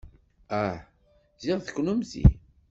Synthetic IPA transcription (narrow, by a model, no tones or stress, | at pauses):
æħ | ziʁθəkːnumzḭ